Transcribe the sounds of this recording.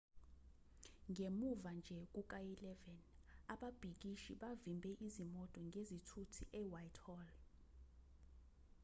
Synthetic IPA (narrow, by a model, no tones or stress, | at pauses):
ŋɡʱemuvand͡ʒʱɛk̬ʼukʼailɛvɛnaɓab̥ʱik̬ʼiʃiɓavimbʱɛʔizimɔtʼɔŋɡʱezitʰutʰiʔɛːwajtʰʼhɔl